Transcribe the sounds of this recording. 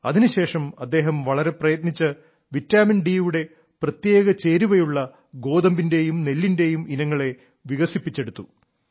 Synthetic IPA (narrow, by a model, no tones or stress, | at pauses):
ɐ̰ðinuɕe̞ːʂɐmɐd̪ːe̞ːɦɐmʋɐɭɐɾe̞prɐjɐt̪nit͡ɕːɨ | ʋitːaːminɖiːuɽe̞ | prɐt̪je̞ːɣɐt͡ɕe̞ːɾuʋɐjuɭːɐ | ɡo̞ːd̪ɐmbinde̞jumne̞lːinde̞juminɐŋːɐɭe̞ | ʋiɣɐsipːit͡ɕːe̞ɽut̪ːu